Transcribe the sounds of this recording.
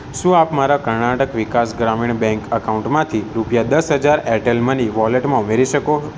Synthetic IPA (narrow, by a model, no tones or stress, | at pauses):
ʃũapmaɾakəɾɳaʈəkʋikasɡɾamiɳbɛ̃ŋkəkaũɳʈmãt̪ʰiɾupjad̪əsɦəd͡ʒaɾɛʈelmãniʋɔleʈmãumeɾiʃəko